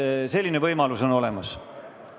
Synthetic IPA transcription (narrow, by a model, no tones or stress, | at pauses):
se̞lːinevɤjmɑluso̞no̞le̞mɑs